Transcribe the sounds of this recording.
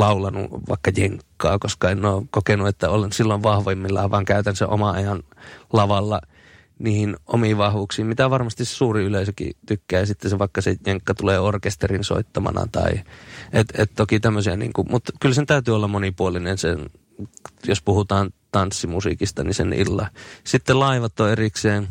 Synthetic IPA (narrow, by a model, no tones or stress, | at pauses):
lɑulɑnṵʋɑ̰ˑikːɑjeŋkːɑ̰ːkoskɑenːoːkokenuet̪ːæolensilːoʋʋɑhʋemːilːɑːʋʋɑːŋkæyt̪ænsḛʔʔo̰mɑɑjɑnlɑʋɑlːɑ | niːhinʔomiʋɑhʋuksiːmmit̪æʋɑrmɑst̪issuːriyleisøkḭt̪ykːæːjɑsit̪ːeseʋɑˑikːɑsejeŋkːɑt̪uleːorkest̪erinso̰it̪ːɑmɑ̰nɑ̰t̪ɑ̰iʔet̪et̪t̪okit̪æmːøsiænḭːŋkumut̪kylsent̪æyt̪yːolːɑmmonipuolinensḛn | jospuhut̪ɑːnt̪ɑnsːimusḭkist̪ɑnisḛnʔḭlːɑ̰sit̪ːelɑiʋɑt̪ːˑoːerikseːn